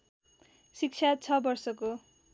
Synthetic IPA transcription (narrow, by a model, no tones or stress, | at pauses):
sik̚t͡sʰat͡sʰʌbʌrsʌko